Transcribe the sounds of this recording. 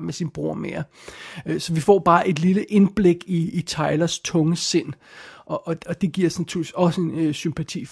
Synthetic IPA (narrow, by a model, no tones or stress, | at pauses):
mesinb̥ʁuɐ̰mḛɐ | sɒ̽ʋifɒ̰ːb̥ɑ̈ːʔe̝d̥liləʔe̝nb̥le̝ɡ̥iːt͡sʰɑ̈ɪlɐst͡sʰɔ̽ŋəse̝n̰ʔɒ̽ʔɒ̽ɒ̽d̥e̝ɡ̥iɐ̰snæt͡sʰyɐ̰lɒ̽səensympʰæt͡sʰḭː